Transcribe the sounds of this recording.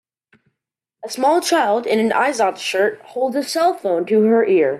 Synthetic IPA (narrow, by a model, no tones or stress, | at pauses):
əsmɔlˠt͡ʃʰaɪlˠdɪ̃nɨ̃nʔa̰ɪzɑnʃɜ˞t̚hoʊlˠdzɨsɛlˠfõʊ̃ntʰɨə˞ʔɪɹ